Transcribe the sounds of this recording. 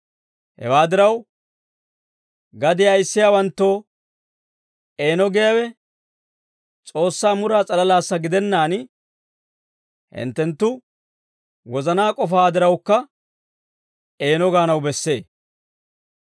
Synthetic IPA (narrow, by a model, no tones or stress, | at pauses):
hɛ̰waːd̪ɪɾɐw | ɡɐd̪ɪɐjsːɪjaːwɐnt̪ːo̞ː | ʔe̞ːnɔɡɛjɐwɛ | t͡sʼo̞ːsːaːmʊɾaːt͡sʼɐlɐlaːsːɐɡɪd̪ɛnːaːn | hɪ̰nt̪ːɛnt̪ːʊ | wɔzɐnaːkʼɔfaːd̪ɪɾɐwkːɐ | e̞ːnɔɡaːnɐwbɛsːe̞ː